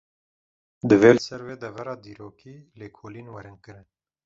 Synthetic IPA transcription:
d̪ɨveːlɨsɛɾweːd̪ɛvɛɾɑːd̪iːɾoːkʰiːleːkʰoːliːnwɛɾɨnkɨɾɨn

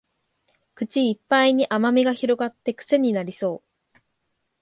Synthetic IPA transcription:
kɯ̟t͡ɕiːpːaiɲ̟iʔamamʲiɡaçiɾo̞ɡat̪ːe̞kɯ̟̥se̞ɲ̟inaɾʲiso̞ː

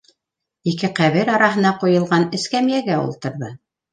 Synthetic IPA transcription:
ikɘqæβɘɾɑɾɑɦɤ̆nɑqujɤ̆lˠʁɑnɘ̆skæmjæɡæṵlˠt̪ɤ̆ɾðɤ

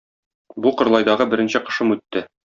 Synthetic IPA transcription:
buqɤ̆ɾlˠɑjd̪ɑʁɤbɘ̆ɾɘ̆nɕɘqɤ̥̆ʃɤmʉt̪ːɘ

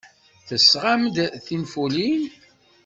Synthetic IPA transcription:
θəsːʁamd̪θinfulin

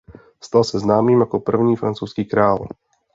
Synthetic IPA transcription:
st̪alsɛznaːmiːmakɔpr̩vɲiːfɾant͡suːskiːkɾaːl

